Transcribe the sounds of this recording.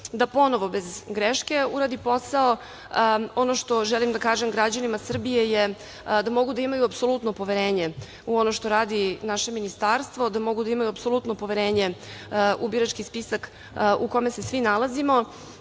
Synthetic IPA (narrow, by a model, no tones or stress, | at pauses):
d̪apo̞no̞ʋo̞bezɡɾeʃke̞uɾaːd̪ipo̞sao | o̞noʃt̪o̞ʒɛlimd̪akaːʒemɡɾad͡ʑanimasr̩bije̞je | d̪amo̞ɡud̪aimajuapso̞lˠut̪no̞po̞ʋeɾeːɲe | uo̞noʃt̪oɾaːd̪inaʃe̞minist̪aːɾst̪vʋo̞d̪amo̞ɡud̪aimajuapso̞lut̪no̞po̞ʋeɾeːɲe̞ | ubiɾat͡ʃkispisak | uko̞me̞se̞sʋinalˠazimo̞